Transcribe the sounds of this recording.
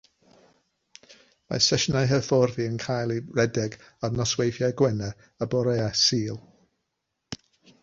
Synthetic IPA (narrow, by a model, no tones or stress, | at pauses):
ma̰sɛʃnajɦəfɔrðiənkʰajlˠiɹɛdɛɡ | arnɔswejθjajɡwɛnɛ | əbɔɾɛasiːlˠ